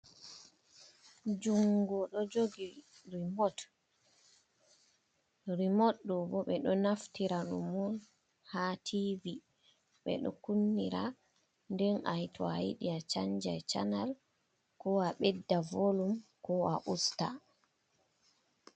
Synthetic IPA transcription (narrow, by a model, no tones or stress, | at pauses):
d͡ʒuŋɡɔɗɔd͡ʒoɡiɾimɔt | ɾimɔtɗɔbɔɓɛɗɔnaftiɾanṵmɔl | hatʰivi | ɓɛ̰ɗɔ̰kunːiɾa | ndɛnajtʰɔajḭɗiat͡ʃaɲd͡ʒajt͡ʃanal | kɔaɓɛdːavolumkɔaʔusta